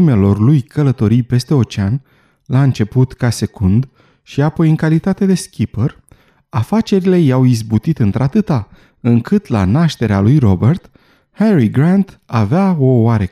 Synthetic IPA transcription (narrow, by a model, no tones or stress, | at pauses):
ime̞lo̞rlujkʰələt̪o̞ɾijpe̞st̪e̞o̞t͡ʃean | laɨnt͡ʃe̞put̪kase̞kund̪ | ʃiapo̞jɨŋkalit̪at̪e̞d̪e̞skʲipər | afat͡ʃe̞ɾile̞jawizbut̪it̪ɨnt̪ɾat̪ɨt̪a | ɨŋkɨt̪la̰naʃt̪e̞ɾealujro̞bert̪ | heɾiɡɾant̪aveao̞aɾe